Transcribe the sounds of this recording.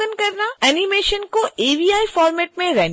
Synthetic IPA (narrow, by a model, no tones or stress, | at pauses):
ənkɐɾnaɛnimeːʃənkoeːʋiːaːifɔːɾmɛːʈmẽɾɛː